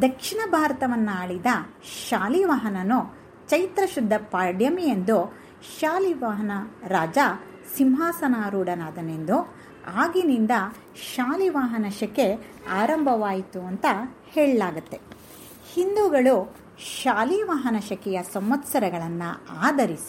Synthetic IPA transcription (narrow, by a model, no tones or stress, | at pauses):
d̪ɐkʂiɳɐbʱaːɾɐt̪ɐʋɐnːaːɭid̪ɐʃaːliʋaɦɐnɐnu | t͡ʃɐjt̪ɾɐʃud̪ʱːɐpaːɾɖjɐmijend̪u | ʃaːliʋaɦɐnɐɾaːd͡ʒa | simɦaːsɐnaːɾuːɖɐnaːd̪ɐnend̪u | aːɡinind̪ɐ | ʃaːliʋaːɦɐnɐʃɐke | aːɾɐmbʱɐʋaːjit̪uɐnt̪ɐheːɭlaːɡut̪ːe̞ | hind̪uɡɐɭu | ʃaːliʋaːɦɐnɐʃɐkɛjɐsɐmʋɐt̪sɐɾɐɡɐɭɐnːuaːd̪ʱɐɾisi̥